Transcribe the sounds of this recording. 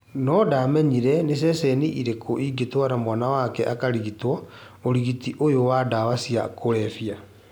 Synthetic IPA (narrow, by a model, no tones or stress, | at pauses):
nɔdamɛɲiɾɛnes̬ɛsɛniʔiɾekʰoʔiɡetwaɾamwanawakɛʔakaɾiɣitwɔ | oɾiɣitiʔojowadawasia̰kʰoɾɛfia